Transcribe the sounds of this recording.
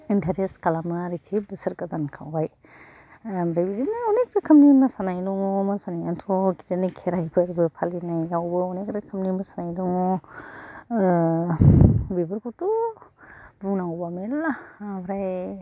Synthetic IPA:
ndʱaɾeskalamɯaɾikʰibɯsɯɾkazankʰawbaj | mɾajbiɾinɯɔnek̚ɾɯkʰɯmnimasanajnɔŋɔmasanajantʰɔkitinikʰeɾajbɯɾibɯpʰalinajɡawbɯɔnekɾɯkʰəmnimasanajnɔŋɔ | bibɯɾkʰutu | buŋnaŋbamelabɾaj

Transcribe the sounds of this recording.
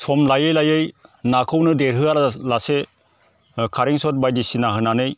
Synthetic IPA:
sʰɔmlajɯjlajɯjnakʰɯwnɯdeɾɦɯalase | kʰaɾiŋsɔt̚bajdisinaɦɯnanɯj

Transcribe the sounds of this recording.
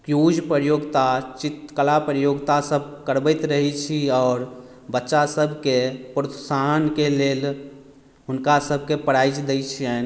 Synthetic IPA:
kjud͡ʒpɾəɾjoɡt̪at͡ʃit̪kəlapɾjoɡt̪asəbʱkəɾbəɪt̪ɾəɦit͡ʃʰiɔːɾ | bətːʃasəbʱkepɾut̪sankeleːl | ɦʊnkasəbʱkepəɽajd͡ʒd̪ɛt͡ʃʰiɛn

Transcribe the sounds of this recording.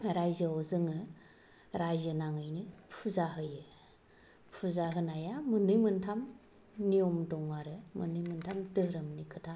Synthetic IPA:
ɾajzɯɔzɯŋɯ | ɾajzɯnaŋɯjnipʰuzaɦɯjɯ | pʰuzaɦɯnajamɯnɯjmɯntʰam | niɔmdɔŋaɾɯmɯnɯjmɯntʰamdɯɾɯmnikʰɯtʰa

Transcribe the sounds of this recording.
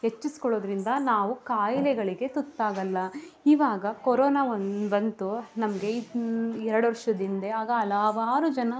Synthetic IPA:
het͡ʃːisi̥kɔɭo̞ːd̪ɾind̪ɐnaːʋukaːjilɛɡɐɭiɡe̞t̪ut̪ːaːɡɐlːɐiʋaːɡɐkoɾɔːnaːonbɐnt̪unɐmɐɡe̞iɛɾɐɽʋɐɾʂɐd̪ind̪eaːɡɐːlaʋaːɾud͡ʒɐnɐ

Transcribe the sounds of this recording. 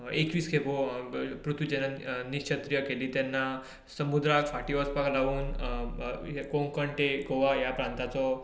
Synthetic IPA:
ekʋiːskʰepopɾut̪ʰʋid͡ʑɛnaniɕt͡ɕʰət̪ɾjəkeliːt̪jɛnːa | səmud̪ɾakfaʈiʋɔspaklaʋuːn | kõŋkəɳʈekoʋajapɾãnt̪at͡sɔ

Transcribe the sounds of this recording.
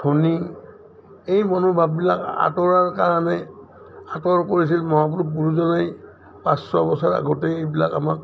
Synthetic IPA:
tʰoni | ejmɔnubʱabːilaka̰tɔɹaɹkaɹanɛ | atɔɹkoɹis̬ilmɔɦap̬unupuɹuzɔnaj | pãsːɔbɔsaɹa̰ɡotɛejbilaka̰mak̚

